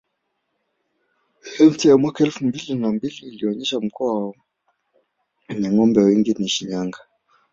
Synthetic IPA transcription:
ɛftɛjamwakaɛlfumbilinambiliːliɔɲɛʃam̩kɔa | ɲɛŋɔmbɛwiŋɡiniʃiɲaŋɡa

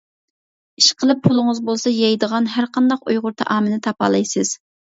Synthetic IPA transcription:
iʃqʰəlˠɨpʰːulˠʊŋəzbolˠsɑjɑjd̪əʁɑnɦæɾqʰɑnd̪ɑqṵjʁʊɾt̪ʰɑ̰ʔɑːmɨnɪt̪ʰɑpɑ̰lˠɑjsɨz̥

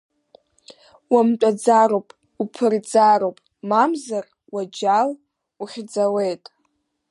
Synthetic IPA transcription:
wamtʷʼad͡zaɾowpʼ | upʰɨrd͡zaɾowpʼ | mamzar | wad͡ʒal | uχʲd͡zawejtʼ

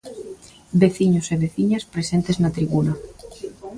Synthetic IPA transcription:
beθiɲoseβeθiɲaspɾesent̪eznat̪ɾiβuna

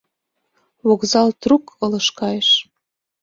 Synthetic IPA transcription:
βokzɑlt̪rukʰɤləʃkɑjeʃ

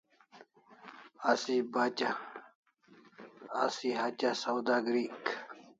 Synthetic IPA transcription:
asibaːt͡ɕa | siɦɐt͡ɕasɐwd̪aɡɾiːk

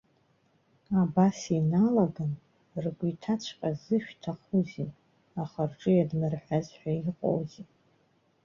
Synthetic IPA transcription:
abasinalaɡan | rɡʷitʰat͡ɕʷʰqʲʼazɨʃᶣtʰaχuzi | aχarʈ͡ʂʼɨjadmɨrħʷᶣazħʷᶣaiqʼo̰wzi

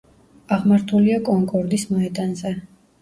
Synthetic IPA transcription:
aʁmaɾt̪ʰuliakʼɔŋkʼɔɾd̪ismɔɛd̪anzɛ

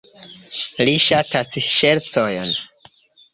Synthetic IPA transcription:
liʃatasʃe̞ɾt͡sojn

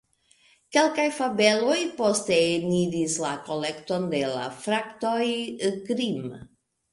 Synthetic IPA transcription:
kelkajfabelojpost̪eːniɾislakolekt̪ond̪ela̰fɾakt̪ojkɾim

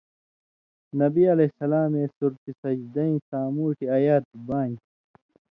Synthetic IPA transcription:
nɐbiɐlɐsɐlaːmeːsuɾt̪isɐd͡ʑd̪ɐĩsaːmuːʈiɐjaːt̪̚baːn

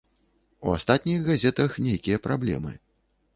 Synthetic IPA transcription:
ua̰st̪at̪ʲnʲixɣazʲɛt̪ɐxnʲejkʲijɐpɾablʲɛ̰mɨ̰

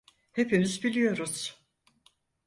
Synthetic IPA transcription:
he̞pimizbilʲijo̞ɾuz̥

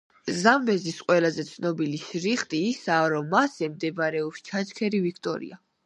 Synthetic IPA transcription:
zamːɛzisqʼwɛlazɛt̪sʰnɔbiliʃɾiχt̪ʼiːsaːɾɔmːasɛmd̪ɛbɾɛɔpst͡ʃʰat͡ʃkʰɛɾivikʰt̪ʼɔ̰ɾḭa

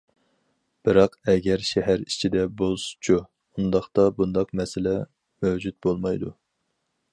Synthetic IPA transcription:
b̥ɨɾɑqɛɡʲɛɾʃɛɦæɾit͡ʃʰid̪ɛbolˠsu̥t͡ʃʰu | und̪ɑχt̪ɑbund̪ɑqmɛsɪlɛ | møwd͡ʒut̪̚bolˠmɑjd̪u

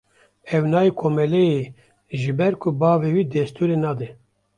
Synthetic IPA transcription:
ɛwnɑːjekʰoːmɛlɛje | ʒɨbɛɾkʰʊbɑːvewiːd̪ɛst̪uːɾenɑːd̪ɛ

